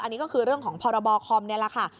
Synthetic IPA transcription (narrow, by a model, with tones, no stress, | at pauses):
ʔa˧nːiː˦˥kɔː˥˩kʰɯː˧ɾɯ˥˩əŋkʰɔː˩˦ŋpʰɔː˧ɾa˧bɔː˧kʰɔː˧mni˥˩əla˨˩kʰa˥˩